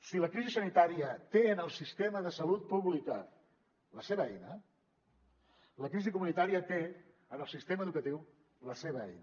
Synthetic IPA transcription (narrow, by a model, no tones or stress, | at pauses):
siləkɾizisənit̪aɾiət̪eənəlˠsist̪eməðəsəlut̪̚puβlikə̰ | ləseβəɛ̰jnə | ləkɾizikumunit̪aɾiət̪e | ənəlˠsist̪eməðukət̪iw | ləseβəɛ̰jn